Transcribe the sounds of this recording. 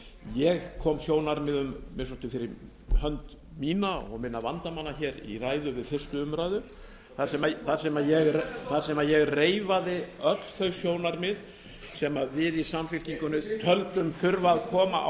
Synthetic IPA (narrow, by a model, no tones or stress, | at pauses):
jɛɣkʰɔːmsjoːwnaɾmɪðʏmːɪsɔst̪ʏfɪɾɪɾ | hœnt̪ | miːnaɔ̰ɣmɪnːavant̪amanːaçɛːɾḭraːjðʏvɪðfɪr̥st̪ʏʏmɾajðʏ | θaɾsɛmaθaɾ̥sɛmajɛɣθaɾ̥sɛmajɛɣreːjvaðɪœt̪l̥θœɥsjoːwnaɾmɪð | sɛmavɪðisamfɪl̥ciŋkʏnʏt̪ʰœlt̪ʏmfʏɾvaðkʰɔːma̰